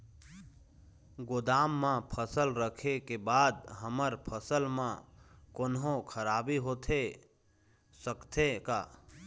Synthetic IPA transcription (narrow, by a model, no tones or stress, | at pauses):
ɡʊd̪aːmːãpʰəsəlɾəkʰekebaːd̪ɦəməɾpʰəsəlmãkonɦõkʰəɾaːbiɦoːt̪ʰe | səkt̪ʰekaː